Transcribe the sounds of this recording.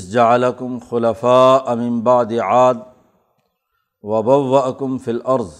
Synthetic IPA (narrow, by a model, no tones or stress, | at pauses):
d͡ʒaʕalakʊmxʊlafaːʔmɪmbaʕd̪ʕaːd̪̚ | wɐbawːaʔakʊmfilʔɑɾˤðˤ